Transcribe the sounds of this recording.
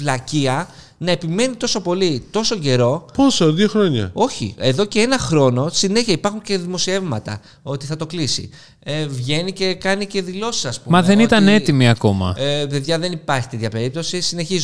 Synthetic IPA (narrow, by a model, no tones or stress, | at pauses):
vlɐciɐ | nɐe̞pime̞nit̪o̞so̞po̞lit̪o̞so̞ɟe̞ɾo̞po̞soðioxɾoɲɐ̰o̞çḭe̞ðo̞ce̞enɐxɾo̞no̞sine̞çiɐipɐɾxuɲce̞ðimo̞sie̞vmɐt̪ɐ̰ | o̞t̪iθɐt̪o̞klisḭ | evʝe̞nice̞kɐnice̞ðilo̞si̥sɐspumɐðe̞nit̪ɐne̞imiɐko̞mɐ̰ve̞ðʝɐðe̞nipɐɾçi̥t̪e̞t̪çɐpe̞ɾip̚t̪o̞sisine̞çiz